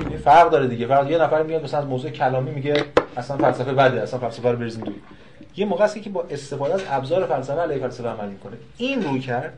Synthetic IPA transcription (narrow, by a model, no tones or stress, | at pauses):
inifæɾʁd̪ɒːɾed̪iːɟefæɾɣd̪jenæfæɾimiɡænmæsælænæzmoːzuːecʰælɒːmiːmiɟeæsænfælsæfebæd̪eæsænfælsæfæɾobeɾizmid̪uni | jemoːɣeæsekʲcʰebɒːʔe̞st̪e̞fɒːd̪eæzæbzɒːɾe̞fælsæfeæleːhefælsæfeæmælmikʰo̞ne | iːnrujcʰæɾd̪